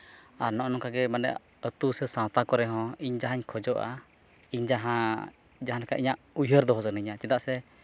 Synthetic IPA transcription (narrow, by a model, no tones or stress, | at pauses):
aɾnɔʔnɔ̃ŋkaɡɛmanɛ̰ | ət̪usɛsãwt̪akɔɾɛɦɔ̃iɲd͡ʒaɦaɲkʰɔd͡ʒɔʔa̰ | iɲd͡ʒaɦã | d͡ʒaɦanakaʔiɲaʔujɦəɾd̪ɔɦɔsənɛɲat͡ʃɛd̪aʔsɛ